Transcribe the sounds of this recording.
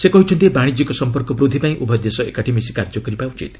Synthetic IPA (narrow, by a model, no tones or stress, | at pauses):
sekɔɦit͡ʃʰɔnt̪ibaɽ̃id͡ʒikɔsɔmpɔɾkɔpɾud̪ʱipaĩʔubʱɔd̪esɔḛkaʈʰimisi̥kaɾd͡ʒɔkɔɾipaut͡ʃḭt̪